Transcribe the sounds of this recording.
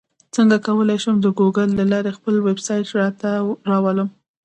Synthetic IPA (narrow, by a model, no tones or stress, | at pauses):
t͡səŋɡakawəlajʃəmd̪əɡoɡəlːalɑɾexpəlwebsɑjʈɾɑt̪aɾɑwaləm